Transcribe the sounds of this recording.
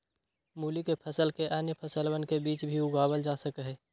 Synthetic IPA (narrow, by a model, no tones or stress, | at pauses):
muːlikepʰəsəlkeʔanjəpʰəsəlbənkebiːt͡ʃbʱiʊɡʱaːbəld͡ʒaːsəkəɦɛː